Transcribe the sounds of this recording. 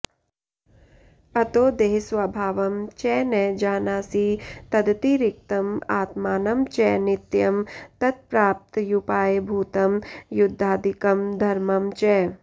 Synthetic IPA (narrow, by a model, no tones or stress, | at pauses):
ɐt̪oːd̪eːɦsʋabʱaːʋɐmt͡ʃɛːnɛːd͡ʒaːnaːsiːt̪ɐd̪t̪iɾɪk̚t̪ɐmaːt̪maːnɐmt͡ʃɛːnɪt̪jɐmt̪ɐt̪̚pɾaːp̚t̪jupaːjbʱuːt̪ɐmjʊd̪ʱːaːd̪ikɐmd̪ʱɐɾmɐmt͡ʃɛː